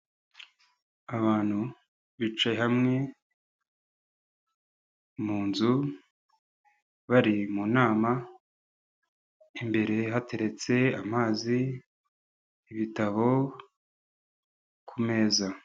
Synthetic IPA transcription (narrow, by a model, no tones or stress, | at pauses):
aβaːn̥hu | βit͡ʃahamŋe̞ | muːnzu | βaɾimunaːma | imbe̞ɾe̞ɦatʰe̞ɾe̞t͡se̞amaːzi | βitaβo̞ | kʰume̞ːza